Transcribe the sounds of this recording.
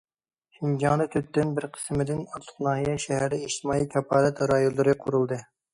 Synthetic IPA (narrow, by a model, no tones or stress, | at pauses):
ʃind͡ʒɑŋlˠɨt̪ʰyt̪ːɪnbɪɾqʰə̥smɪd̪ɪnɑt̪ʰʊ̥χnɑːhijɛʃɛɦæɾd̪ɪiʃt̪ɨmɑːijkʲʰɛpʰɑːɾɛt̪ɾɑjollːˠɨɾɨqʰʊɾulˠd̪ɨ